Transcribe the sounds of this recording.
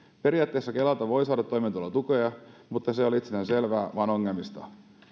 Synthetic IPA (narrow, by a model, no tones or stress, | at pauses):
pe̞ɾijɑˑːt̪ːe̞ːsːɑke̞lɑt̪ɑʋo̞jsɑːdɑt̪ːojment̪ulːɑt̪uko̞jɑmut̪ːɑseoliit̪sienense̞lʋæːʋɑnoŋːelmist̪ɑ̰